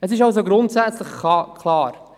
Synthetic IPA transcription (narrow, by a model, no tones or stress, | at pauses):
əs̬ɪʃals̬oɡɾʊntsɛt͡slɪχkːkʰlɑːɾ